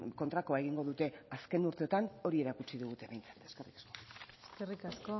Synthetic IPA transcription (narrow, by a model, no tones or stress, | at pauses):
ko̞nt̪ɾakoae̞ɣiŋɡo̞ðut̪e̞aske̞nuɾt̪e̞ot̪ano̞ɾie̞ɾakut͡siðuɣut̪e̞βe̞jnt͡sḁt̪e̞ske̞rikḁsko̞eskerikasko